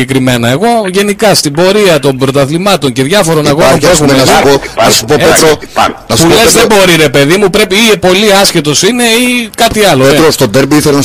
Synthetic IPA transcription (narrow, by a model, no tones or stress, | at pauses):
ekɾime̞nɐeɣo̞ʝe̞nikɐst̪ibo̞ɾiɐt̪o̞mbɾo̞t̪ɐθlimɐt̪o̞ɲce̞ðʝɐfo̞ɾo̞nɐɣoompue̞xumeponɐssu̥poeɾo̰ | nɐspullezðebo̞ɾiɾe̞pe̞ðimupɾe̞piipo̞liɐsçet̪o̞sine̞ikɐt̪iɐloeɾost̪od̪eɾbiiθeln